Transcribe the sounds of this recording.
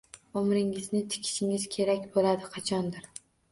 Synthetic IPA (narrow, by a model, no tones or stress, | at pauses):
omɾɪŋɪznɪt̪ʰɪ̥kʲʰɪ̥ʃɪŋɪz̥kʲʰe̞ɾakʲbolad̪ɪqʰɑt͡ʃʰɒnd̪ɪɾ